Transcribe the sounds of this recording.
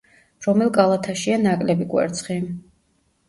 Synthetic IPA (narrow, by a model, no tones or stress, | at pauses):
ɾɔmɛlˠkʼalˠat̪ʰaʃianakʼlɛbikʼwɛ̰ɾt̪sʰχi